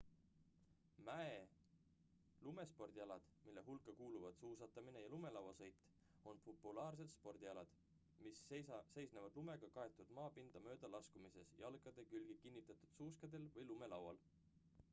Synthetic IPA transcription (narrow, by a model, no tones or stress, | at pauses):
mæe | lume̞spo̞rd̪̥ʲiɑlɑd̪̥milːe̞ɦulkːˑɑkuːluvɑd̪̥suːsɑt̪ːˑɑmine̞jɑlume̞lɑwɑsɤ̞jt̪ːˑ | o̞npo̞pːˑulɑːrs̬e̞d̪spo̞rd̪̥iɑlɑd̪̥ | misse̞jsnevɑd̪̥lume̞ɡ̥ɑkɑe̞t̪ːˑud̪̥mɑːpind̪̥ɑmø̞ːd̪̥ɑlɑskumise̞sjɑlkˑɑd̪̥e̞kylɡ̥ikinʲːit̪ːˑɑt̪ˑud̪̥suːskɑd̪e̞lvɤjlume̞lɑwɑ̰l